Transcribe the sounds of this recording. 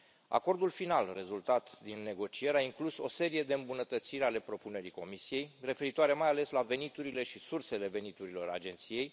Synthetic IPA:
a̰ko̞rd̪ulfinalre̞zult̪at̪d̪inːe̞ɡo̞t͡ʃie̞ɾeaiŋkluso̞se̞ɾije̞d̪eɨmbunət̪ət̪siɾale̞pɾo̞pune̞ɾiko̞misije̞jre̞fe̞ɾit̪oaɾe̞majale̞slave̞nit̪uɾile̞ʃisurse̞le̞ve̞nit̪uɾilo̞ɾa̰d͡ʒe̞nt̪sije̞j

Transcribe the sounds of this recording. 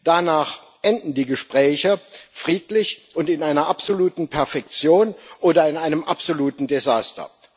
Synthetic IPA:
d̥anaːχ | ʔɛndn̩diːɡəʃpʁ̥ɛːçəfʁ̥iːtlɪçʔʊntɪnaɪnɐʔapz̥oluːtn̩pʰɛɐfɛk̚t͡sjoːnʔoːdɐɪnaɪnəmʔa̰pz̥oluːtn̩dezaːstɐ̰

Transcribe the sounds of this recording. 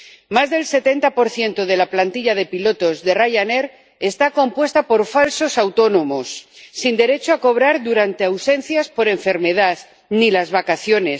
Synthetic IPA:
mazðe̞lse̞t̪e̞nt̪apo̞ɾθje̞nt̪oð̞e̞laplant̪iʎaðe̞pilo̞t̪o̞zðe̞raʝane̞ɾ | e̞st̪ako̞mpwe̞st̪apo̞ɾfalso̞sawt̪o̞nõ̞mosːind̪e̞ɾe̞t͡ʃoako̞β̞ɾaɾðuɾant̪e̞awse̞n̟θjaspo̞ɾe̞ɱfe̞ɾme̞ðað | nilazβakaθjo̞ne̞s

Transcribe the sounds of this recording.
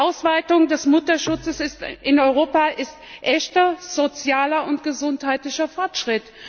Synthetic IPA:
ʔaʊsv̥aɪtʊŋdɛsmʊtɐʃʊt͡səsɪstʔɪnɔʏʁ̞oːpaʔɪstʔɛçtɐz̥ot͡sjaːlɐʊntɡ̥əzʊnthaɪtlɪçɐfɔɐtʃʁ̥ɪt

